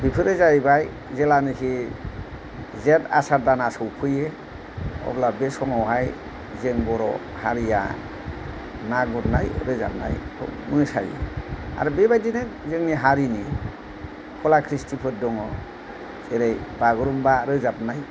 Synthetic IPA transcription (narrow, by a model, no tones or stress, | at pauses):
bipʰɯɾɯzajbaj | zelanɯkʰi | zeta̰saɾdanasɯwpʰɯje | ɔ̰blabesɔŋɔwɦaj | zeŋbɔɾɔ̰ | haɾija̰ | naɡɔtnajɾɯza̰p̚na̰jkʰɔ̰mɯsajḛa̰ɾubebajdinɯzɯŋniɦaɾini | kʰɔlakʰɾistipʰɯt̚dɔŋɔ | seɾejbaɡɯɾumbaɾɯzap̚naj